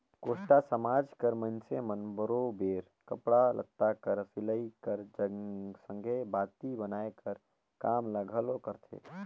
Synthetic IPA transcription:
koːsʈasəmaːd͡ʒkəɾmənsemənbəɾobeːɾ | kəpɽalʔə̰t̪ːakəɾsɪləikəɾd͡ʒəsə̃ŋɡʱebaːt̪ibənaːekəɾ | kaːmləɡʱəlokəɾt̪ʰḛː

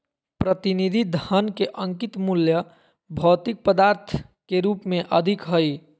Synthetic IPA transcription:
pɾət̪inid̪ʱid̪ʱənkeʔəŋkit̪muljə | bʱɔːt̪ik̚pəd̪aɾt̪ʰkeɾupmeʔəd̪ʱikɦəj

